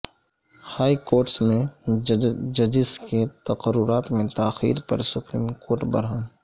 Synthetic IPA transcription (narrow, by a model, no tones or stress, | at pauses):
haːikoːɾʈsmẽ | d͡ʒɐd͡ʒɪsket̪ɐqəɾʊɾaːt̪mẽt̪aːxḭːɾpɐ̰ɾsʊpɾiːmkoːɾʈbɐ̰ɾãː